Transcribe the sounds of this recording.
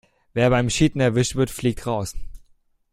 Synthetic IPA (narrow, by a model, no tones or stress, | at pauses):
veːɐbaɪmʃiːtn̩ɛɐvɪʃtv̥ɪɐtfliːk̚tʁaʊs